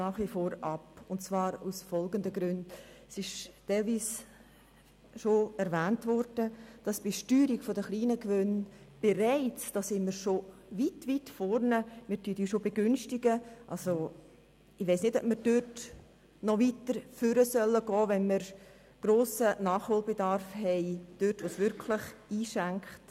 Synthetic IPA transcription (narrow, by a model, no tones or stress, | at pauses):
nɑːχʋifoːɾɑpʊnt͡svɑːɾusfɔlɡəndəɡɾʉndsɪʃtaɪlviːs | ʃoɛɾvæːntvɔɾd̥əd̥ɑsb̥iʃtyːɾiɡfodəχliːnəkvønb̥eɾaɪt͡sd̥ɑsɪnməɾʃo | vitvitfɔɾnəmɪːtytjiʃobeɡʏnʃtɪɡ̥əʔɑlso | ɪʋaɪsnɪtɔb̥̚məɾd̥øt | nɔvitəɾføɾəsœlːəɡ̥ɔːvɛnməɾ | ɡ̥ɾoːsənɑːχhoːlbedɑɾfhɛɪd̥øtʋosvʏɾkʰləχiːʃæŋkχt